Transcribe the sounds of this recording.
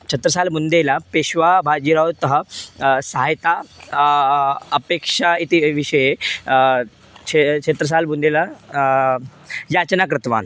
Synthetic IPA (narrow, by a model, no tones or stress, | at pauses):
t͡ɕʰɐt̪ɾəsalmund̪elapeɕʋabʱad͡ʑiɾawt̪əɦəsaɦajt̪a | əpekʂait̪iʋiʂəje | et͡ʃʰet̪ɾəs̬almund̪ela | jat͡ɕnakɾət̪ʋa̰n